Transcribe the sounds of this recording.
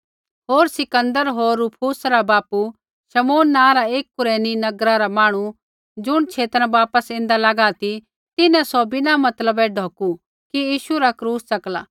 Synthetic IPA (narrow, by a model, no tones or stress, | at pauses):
ɦoːɾsɪkə̃nd̪əɾɦoːɾːupʰuːsɾabaːpu | ʃɐmoːnːãːɾaeːk̚ːʊɾeːninɐɡɾaɾamaːɽ̃u | d͡ʒʊɽ̃t͡ʃʰeːt̪ɾãbaːpəsɪ̃ːnd̪alaɡat̪i | t̪ɪnɛ̃sɔbɪnamɐt̪ləbɛɖʱoːku | kijiːʃuɾakɾuːsːɐkla̰ː